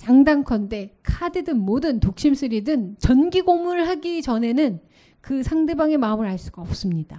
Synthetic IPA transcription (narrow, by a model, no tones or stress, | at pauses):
t͡ɕaŋdaŋkʰʌnde̞kʰadɯdɯnmodɯntok̚ɕ͈ims͈ɯɾidɯnt͡ɕʌnɡiɡoŋɯɭhaɡit͡ɕʌne̞nɯn | kɯsʰaŋde̞baŋe̞maɯmɯɭhaɭs͈uɡaʌp̚s͈ɯmɲid̥a